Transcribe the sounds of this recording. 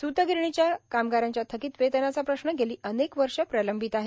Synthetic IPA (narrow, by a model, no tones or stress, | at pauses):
sut̪əɡiɾɳ̃it͡ɕjakamɡaɾjaɲt͡ɕjat̪ʰəkiːt̪ʋet̪ənjat͡sapɾəɕnəɡeliːʔənekʋəɾʂəpɾələmbʱit̪aɦe